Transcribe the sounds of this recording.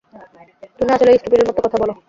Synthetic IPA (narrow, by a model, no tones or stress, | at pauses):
t̪umiat͡ɕʰoleeijsʈupeɾeɾmɔt̪okɔt̪ʰabɔlo